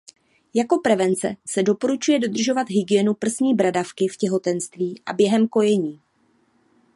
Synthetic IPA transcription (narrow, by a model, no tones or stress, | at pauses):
jako̞pɾɛvɛnt͡sɛ̰sɛdo̞po̞ɾut͡ʃujɛdo̞d̪r̩ʒo̞vat̪ɦɪɡɪjɛnupr̩zɲiːbɾadafkɪfcɛɦo̞t̪ɛnst̪viːʔa̰bjɛɦɛmko̞jɛɲiː